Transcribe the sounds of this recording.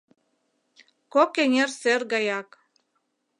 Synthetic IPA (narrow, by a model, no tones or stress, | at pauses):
kokenʲerserɡɑjɑk